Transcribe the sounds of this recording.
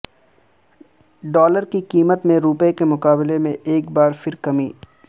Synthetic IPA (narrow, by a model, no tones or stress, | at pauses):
ɖɔːləɾkikiːmət̪mẽɾuːpekemʊkaːbɪlemẽeːkbaːɾfɪɾkɐmiː